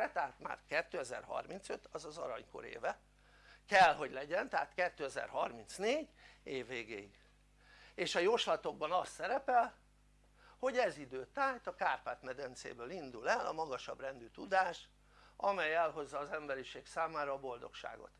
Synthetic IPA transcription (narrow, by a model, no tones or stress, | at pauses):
ɛt̪ɛɦaːt̪ma̰ːrkɛt̪ːøːɛzɛ̰rhɒ̰rmint̪søt̪ɒzɒzɒ̰ɾɒɲko̞̰ɾḛːvɛ | kɛlɦo̞ɟlɛɟɛnt̪ɛɦaːt̪kɛt̪ːøːɛzɛ̰rɦɒrmint̪sneːɟeːvːeːɡeːiɡ | eːʃɒjoʃlɒt̪o̞ɡ̚bɒnɒst̪ːɛɾɛpɛl | ho̞ɟɛzid̪øːt̪aːjt̪ɒkaːrpaːt̪mɛd̪ɛnt̪sḛːbøːlind̪ulɛlɒ̰mɒɡɒʃɒ̰brɛnd̪yt̪ud̪aːʃ | ɒmɛjɛlɦo̞zːɒːzɛmbɛɾiʃeːksaːmaːɾɒːbo̞ld̪o̞̰kʃa̰ːɡo̞̰t̪